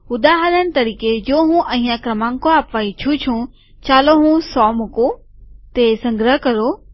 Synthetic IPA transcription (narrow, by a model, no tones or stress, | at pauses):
ʊd̪aːɦəɾənɪ̆t̪ɐɾiːked͡ʒoːɦũʔɐɦĩjãkɾɐmãːŋkoaːpʋaːit͡ʃʰũt͡ʃʰũ | t͡ɕaːloɦũsɔːmʊku | t̪esɐ̃ŋɡɾəɦkɐɾoː